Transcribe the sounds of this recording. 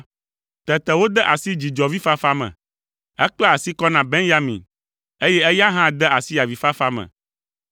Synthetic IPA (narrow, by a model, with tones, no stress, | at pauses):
t̪ɛ˨t̪ɛ˨wo˦d̪ɛ˦ʔa˨si˦d͡ʑi˨d͡ʒɔ˨vi˦fa˦fa˦mɛ̰̃˨ | ɛ˦k͡plɔ˦a˨si˦kɔ˦nã˨be˦nja˦mḭ̃˨n | e˦jɛ˦ɛ˦ja˦ɦã˦d̪ɛ˦a˨si˦a˨vi˨fa˦fa˦mɛ̰̃˨